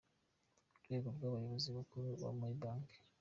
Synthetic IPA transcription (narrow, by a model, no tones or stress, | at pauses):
dweːɡobɡaβajoβoziβakuɾuβa̰muɾibaːŋke̥